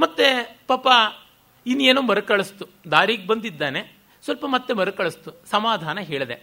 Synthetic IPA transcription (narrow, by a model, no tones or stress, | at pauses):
mɐt̪ːepɐːpːɐ | inːeːnuːmɐɾukɐɭɐst̪u | d̪aːɾiːɡ̚bɐnd̪id̪ːaːne | sʋɐlpɐmɐt̪ːemɐɾɐkɐɭɐst̪usɐmaːd̪ʱaːnɐɦeːɭɐd̪e